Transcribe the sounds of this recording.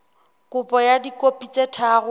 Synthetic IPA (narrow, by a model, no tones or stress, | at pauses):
kʊpʼɔjadikʼopʼit͡sʼetʰaːɣʊ